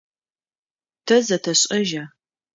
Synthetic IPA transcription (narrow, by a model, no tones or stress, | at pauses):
tʰɐzɐtʰɐɕʼɐʒaː